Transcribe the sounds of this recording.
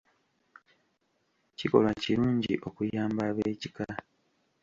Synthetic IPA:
ciko̞̰lwaciɾuːɲɟḭʔo̞kujaːmbaːβeːcika

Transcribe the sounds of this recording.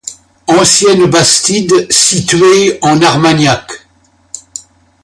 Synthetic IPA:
ɑ̃sjɛnbast̪id̪sit̪ɥeɑ̃naʁmanjak

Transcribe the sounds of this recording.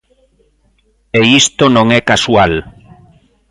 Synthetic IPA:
eist̪onõŋɛkaswal

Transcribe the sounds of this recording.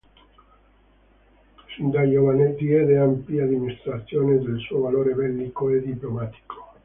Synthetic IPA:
sind̪ajovaned̪iɛd̪eampiad̪ːiminist̪ɾat̪sːjoːned̪elsuːovaloːɾevɛlːikoed̪iplomat̪i̥kʰo̥

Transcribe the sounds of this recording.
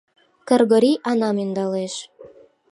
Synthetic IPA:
kərɣoɾʲiʔɑnɑmynd̪ɑleʃ

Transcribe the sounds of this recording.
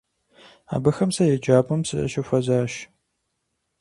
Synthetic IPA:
a̰ːbɨxɐmsɐjɛd͡ʒaːbʼɐmsɨɐ̰ʃɐfʷɐzaːʃ

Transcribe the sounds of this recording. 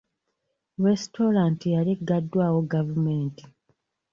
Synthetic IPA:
ɾesto̞ɾaːntijaliɡːadːwaːwoɡavumeːnti

